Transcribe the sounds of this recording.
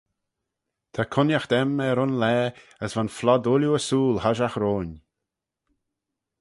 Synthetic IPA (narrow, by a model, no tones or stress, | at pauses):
t̪ʰakʰʊnjaxd̪̥ɛmɛɾʊnlɛːəsvanflɔd̪ʊljuəsuːlhaʒaxɾoːn